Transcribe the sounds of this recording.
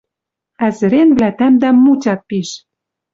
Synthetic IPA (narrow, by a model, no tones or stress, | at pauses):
æzɘ̆ɾenvlæt̪æmd̪æmːut͡ɕɑt̪̚piʃ